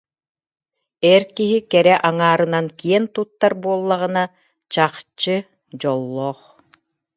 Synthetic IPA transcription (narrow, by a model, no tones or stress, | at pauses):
ɛːɾkiɦikɛɾɛʔaŋaːɾɯnankiɛnt̪ut̪ːaɾbuɔlˠːaʁɯna | t͡ɕaχt͡ɕɯ | d͡ʑɔlˠːɔːχ